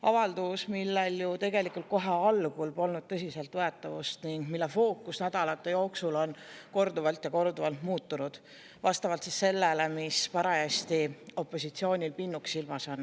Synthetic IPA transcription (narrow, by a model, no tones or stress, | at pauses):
ʔɑvɑld̪usmilːeljut̪e̞ɡ̥e̞likːˑult̪̚ko̞ɦe̞ɑlɡ̥ulpo̞lnud̪̥̚t̪ɤsʲise̞lt̪voet̪ːˑɑvust̪niŋɡ̥milːefo̞ːkːˑusnæd̪̥ɑlɑt̪ˑːe̞jo̞ːksulo̞nko̞rd̪uvɑlt̪jɑko̞rd̪uvɑlt̪muːt̪ːˑunud̪̥ | vɑst̪ɑvɑlt̪sisse̞lːelemispɑɾɑest̪io̞pːˑo̞sit̪sio̞ːnʲilpinːuksilmɑson